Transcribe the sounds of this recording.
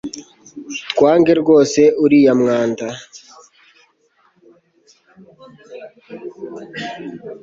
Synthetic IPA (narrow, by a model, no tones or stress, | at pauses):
tkwaːŋɡeɾɡoːseʔuɾijamŋaːnta